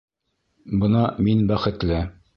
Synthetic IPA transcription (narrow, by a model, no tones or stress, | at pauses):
bɤ̆nɑminbæχɘ̆t̪lɘ